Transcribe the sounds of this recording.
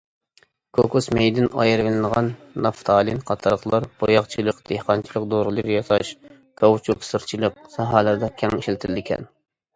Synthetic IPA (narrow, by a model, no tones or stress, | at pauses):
kʰokusmejd̪ɪnɑ̰jɨɾvɪlɨnəʁɑnːɑft̪ʰɑːlˠinqʰɑt̪ʰɑɾəχlˠɑɾb̥ojɑχt͡ʃʰilˠəqd̪̥ehqɑnt͡ʃʰilˠəq̚d̪oɾɨlˠəɾjɑt̪ɑʃ | kʰɑwt͡ʃʰuksɨɾt͡ʃʰilˠəq̚sɑɦɑlˠɨɾd̪ɑkʲʰɛŋiʃlt̪ʰɪlːɪkʲʰɛ̰n